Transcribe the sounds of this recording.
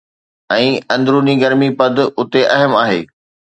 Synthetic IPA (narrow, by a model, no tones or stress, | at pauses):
ɛ̃ːɐ̃nd̪ɾuːniɡɐɾmipɐd̪ʱʊt̪eʔɐɦəmaːɦeː